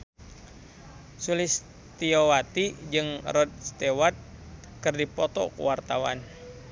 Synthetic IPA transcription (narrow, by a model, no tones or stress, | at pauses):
sulɪs | t̪iowat̪id͡ʒɨŋrɔd̪̚st̪ewat̪̚ | kɨrdipɔt̪ɔ̰kṵwart̪awa̰n